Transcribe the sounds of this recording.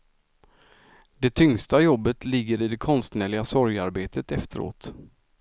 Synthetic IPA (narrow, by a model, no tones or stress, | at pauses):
d̪ɛt̪ʰʏŋst̪ajɔbːət̪lɪɡːəɾɪd̪ɛkʰɔnst̪nɛːɭɪɡasɔɾjaɾbeːt̪ət̪ɛft̪ʰəɾo̰ːt̪